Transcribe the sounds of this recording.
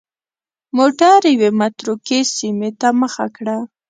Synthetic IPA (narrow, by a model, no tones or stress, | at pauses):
moʈaɾjwemat̪ɾukesimet̪aməxa̰kɽa